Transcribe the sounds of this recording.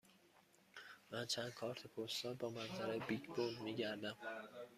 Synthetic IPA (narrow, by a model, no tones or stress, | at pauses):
mænt͡ʃʰænd̪̚kʰɒːɾt̪ʰepʰost̪ɒːɾbɒːmænzʰæɾæjbicʰb̥old̪miːɟæɾd̪æm